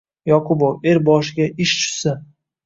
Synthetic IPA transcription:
jɒqʰʊboweɾbɒʃɪɡʲaʔɪʃt͡ʃʰʊ̥sɪ

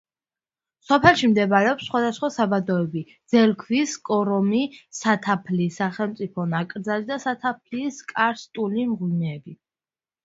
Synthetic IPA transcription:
sɔpʰɛlˠʃimd̪ɛbaɾɛɔpsːχwad̪asχwasabad̪ɔɛbid̪z̥ɛɾkʰviskʼɔɾɔmisat̪ʰapʰlisaχɛlˠmt̪sʼipʰɔnakʼɾd̪zalid̪asat̪ʰapʰliskʼaɾst̪ʼulimʁwimɛɛbi

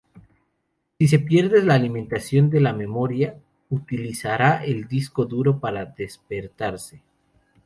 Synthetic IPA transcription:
sis̬e̞pje̞ɾðe̞zlaːlimẽ̞nt̪asjo̞nd̪e̞lame̞mo̞ɾja | ut̪ilisaɾaʔe̞ld̪isko̞ðuɾo̞paɾaðe̞spe̞ɾt̪aɾse̞

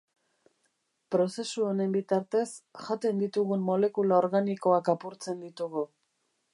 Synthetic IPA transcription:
pɾo̞se̞suo̞ne̞mbit̪aɾt̪e̞sʝat̪e̞nd̪it̪uɣunmo̞le̞kulaoɾɣaniko̞akapuɾt͡se̞nd̪it̪uɣu

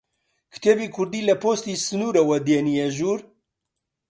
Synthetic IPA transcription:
kɨ̥t̪ʰebiːkʰʊɾd̪iːlɐpost̪isɨnuːɾɐwɐd̪eːnijeʒuːɾ

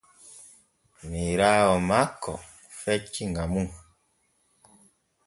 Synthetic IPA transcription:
miɾawɔmakɔ | fɛt͡ʃiŋɡamuŋ

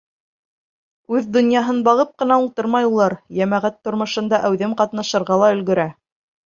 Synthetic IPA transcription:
ʉðd̪ŏnjɑɦɤnbɑʁɤp̚qɤ̆n̪ɑulˠt̪ɤɾmɑjulˠɑɾjæmæʁæt̪ːŏɾmɤ̆ʃɤ̆nd̪ɑʔæwðɘmqɑt̪nɑʃɤ̆ɾʁɑlˠɑɵ̆lɡɵ̆ɾæ

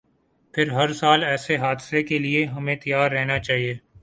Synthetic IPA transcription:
pʰɪɾɦɐɾsaːlɛːseɦaːd̪sekelieɦɐmẽt̪ɐjaːɾːɛɦnat͡ʃaːɦieː

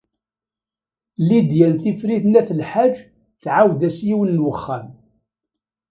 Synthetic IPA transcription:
lid̪jælθifɾiθnæθəlħad͡ʒː | θʕawðæsjiwənːwəχːæm

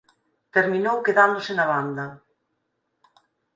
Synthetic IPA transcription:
t̪eɾminowkeðand̪osɪnaβand̪ɐ

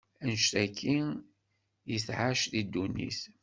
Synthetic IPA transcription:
ənʃt̪ækʰːi | jəθʕaʃðid̪ːunːḭθ

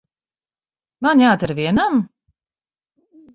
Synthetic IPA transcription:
manjaːt̪aɾviɛnam

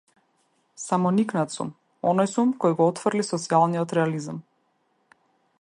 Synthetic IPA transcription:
samɔniknat̪sṵm | ɔnɔjsumkɔjɡɔɔt̪frlisɔt̪sialˠnijɔt̪ɾɛalizam

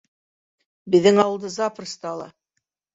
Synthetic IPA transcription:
bɘ̆ðːɘŋɑwɤlˠd̪ɤzɑprə̆st̪ɑɑlˠɑ̰

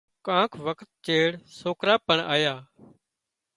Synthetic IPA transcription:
kãːkʰʋəkʰt̪̚t͡ʃeːɽsoːkɾaːpəɳa̰ːjaː

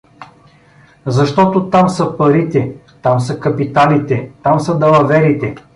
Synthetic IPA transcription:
zɐʃt̪ɔt̪ot̪amsɐpɐɾit̪ɛ | t̪amsɐkɐpit̪alit̪ɛt̪amsɐd̪ɐlˠɐvɛɾit̪ɛ

